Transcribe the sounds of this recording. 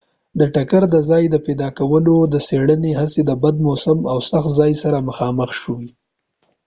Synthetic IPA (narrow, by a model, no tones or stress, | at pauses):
d̪əʈakaɾd̪əzɑjd̪əped̪ɑkawəlod̪əseɽəneɦased̪əbad̪̚mosəmawsaxt̪zɑjsaɾaməxɑməxʃəwi